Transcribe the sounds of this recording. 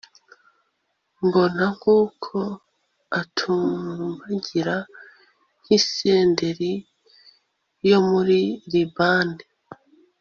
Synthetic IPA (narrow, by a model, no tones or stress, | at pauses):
mbo̞naŋuːkʰo̞ | atʰummbaɟiɾa | ŋ̥hiseːnde̞ɾi | jo̞muɾiɾibaːnde